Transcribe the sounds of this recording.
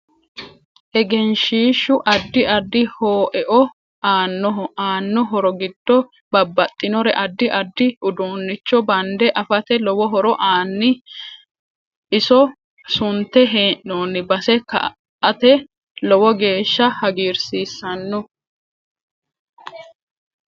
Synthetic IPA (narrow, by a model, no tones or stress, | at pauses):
ʔɛɡɛnʃiːʃːʊʔɐd̪ːɪʔɐd̪ːɪhoːʔɛʔɔ | aːnːɔɦɔaːnːɔɦɔɾɔɡɪd̪ːɔ | bɐbːɐt̪ʼːɪnɔɾɛʔɐd̪ːɪʔɐd̪ːɪʔʊd̪uːnːɪt͡ʃːɔbɐnd̪ɛʔɐfɐt̪ɛlɔwɔɦɔɾɔʔaːnːɪ | ɪsɔ | sʊnt̪ːɛɦeːʔoːnɪbɐsɛkɐ̰ | ɐt̪ɛ | lɔwɔɡe̞ːʃːɐhɐɡiːɾsiːsːɐnːɔ